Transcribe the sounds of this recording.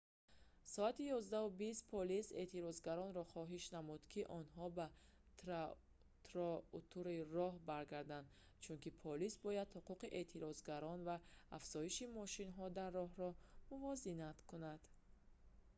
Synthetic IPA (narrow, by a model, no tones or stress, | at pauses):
sɔat̪ijɔzd̪aubist̪̚pʰɔlise̞̰ʔt̪ʰiɾɔzɡaɾɔnɾɔχɔɦiʃnamud̪̥kʰiʔɔnɦɔba | t̪ɾa | t̪ɾɔut̪ʰuɾirɔɦbaɾɡaɾd̪and̪ | t͡ʃʰunkipʰɔlisbɔjad̪̥huquqiʔe̞t̪ʰiɾɔzɡaɾɔnvaːfz̥ɔiʃimɔʃinɦɔd̪arːɔɦɾɔmuvɔzinat̪kʰunad̪̥